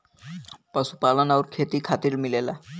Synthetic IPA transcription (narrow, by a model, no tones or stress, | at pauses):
pəsupalənawɾkʰet̪iːkʰat̪iːɾmilela̰